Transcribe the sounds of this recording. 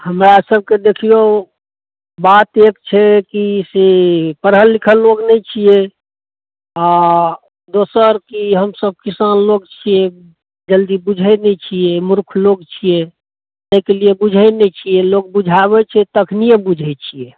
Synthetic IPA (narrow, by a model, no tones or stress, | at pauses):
həmɾasəb̚ked̪ekʰijo | bat̪ekt͡ʃʰɛkisepəɾɦəlːikʰəlːoɡnɛt͡ʃʰije | a | d̪osəɾkiɦəmsəb̚kisanloɡt͡ʃʰije | d͡ʒəld̪ibud͡ʒʱɛneɛt͡ʃʰiemuɾkʰloɡt͡ʃʰije | t̪əkeliebud͡ʒʱɛnɛt͡ʃʰijɛlok̚bud͡ʒʱaβɛt͡ʃʰɛt̪əkʰniebud͡ʒʱɛt͡ʃʰije